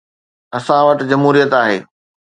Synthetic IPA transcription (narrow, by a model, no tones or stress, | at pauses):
ɐsãʋɐʈd͡ʑɐmɦuːɾijət̪aːɦḛː